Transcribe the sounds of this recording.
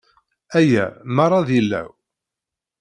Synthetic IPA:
æjæ̰mɑrˤːɑðilːæ̰w

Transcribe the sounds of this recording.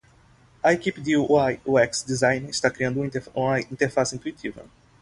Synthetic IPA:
ɐekipɪd̪ɪajuɛksd̪izãj̃nist̪akɾiɐ̃nd̪ũũmɐĩt̪eɾfasɪĩt̪uit̪ʰivɐ̰

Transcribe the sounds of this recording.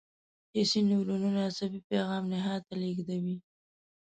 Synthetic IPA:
hesiniwɾununaasabipeɣɑmnɪɦɑt̪aleɡd̪awi

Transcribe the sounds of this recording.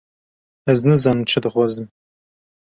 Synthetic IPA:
ɐznɨzɐnt͡ʃʰɐd̪ɨχʷɔzd̪ɨm

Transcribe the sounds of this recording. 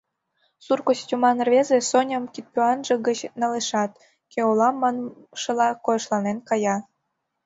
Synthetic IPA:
surkostʲumɑnrβʲezesonʲə̆mkit̪̚pʲyɑnʒĕɣət͡ɕnɑleʃɑt̪ | keolɑmːɑn | ʃɤlɑkojɤʃlɑnenkɑjɑ

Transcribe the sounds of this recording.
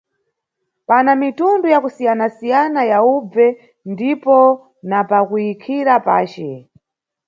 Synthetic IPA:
panamitundujakusijanasijanajaub͡vɛ | ndipɔ | napakujikʰiɾapa̰ːt͡ʃɛ

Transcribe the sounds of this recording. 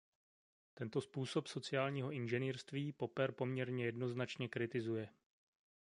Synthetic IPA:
t̪ɛnt̪o̞spuːso̞pso̞t͡sɪaːlɲiːɦo̞ʔɪnʒɛniːɾst̪viːpo̞pɛɾpo̞mɲɛɾɲɛjɛdno̞znat͡ʃɲɛkɾɪt̪ɪzujɛ

